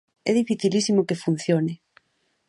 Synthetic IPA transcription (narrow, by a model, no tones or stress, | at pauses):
ɛ̰ðifiθilisimokefun̟θjonɪ